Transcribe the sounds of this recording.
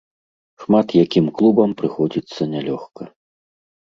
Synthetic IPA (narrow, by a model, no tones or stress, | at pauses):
ʂmat̪jakʲimklˠubɐmpɾɨxɔd͡zʲit̪sːɐnʲalʲɔxkɐ